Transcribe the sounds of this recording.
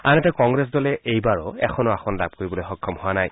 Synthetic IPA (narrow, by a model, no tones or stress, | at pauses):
anɛtɛkɔŋɡɹɛs̬dɔlɛʔejbaɹɔɛ̰xʰɔnɔaxʰɔnlab̚koɹibɔlojxɔkʰːɔmhʊwanaj